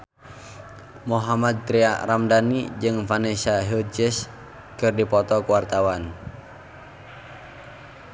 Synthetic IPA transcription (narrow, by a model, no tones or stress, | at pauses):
moɦamad̪̚t̪ɾiaramdanid͡ʒɨŋfanesaɦud͡ʒɪs | kɨrdipɔt̪ɔkuwart̪awan